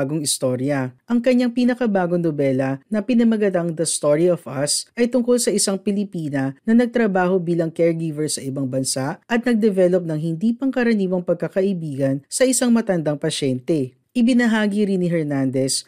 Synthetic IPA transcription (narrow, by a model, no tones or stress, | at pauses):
ɡoŋɪst̪o̞ɾjɐʔɐŋkɐɲːaŋpinɐkɐbaːɡoŋnobɛlɐnɐpɪnɐmɐɡɐt̪aŋd̪ɐst̪oɹiovɐsʔɐjt̪ʊŋkolsɐʔɪsaŋpɪlɪpiːnɐnɐnɐɡ̚t̪ɾɐbaːho̞biːlɐŋkɛɹɡiːvɛɹsɐʔɪbɐŋbɐnsaʔʔɐt̪̚nɐɡ̚d̪ɛvɛlop̚nɐŋhɪnd̪iːpɐŋkɐɾɐniːwɐŋpɐɡ̚kɐkɐʔɪbiːɡɐnsɐʔɪsaŋmɐt̪ɐnd̪ɐŋpɐʃɛnt̪ɛ | ʔɪbɪnɐɦaːɡiɾiniɦɛɹnand̪ɛs